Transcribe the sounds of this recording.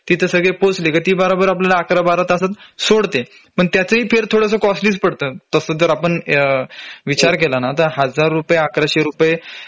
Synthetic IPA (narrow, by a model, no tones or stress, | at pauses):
t̪it̪ʰəsəɡɭeposlekət̪iːbəɾabəɾapljalaːkɾabaɾat̪əsat̪soɽt̪e | pəɳt̪jat͡səɦiːfeɾt̪ʰoɽəsəːkɔsʈliːspəɽt̪əːt̪əsəd̪əɾapəɳ | ʋit͡ɕaɾkelanat̪əɾɦad͡zaɾːupjeakɾaɕeɾupje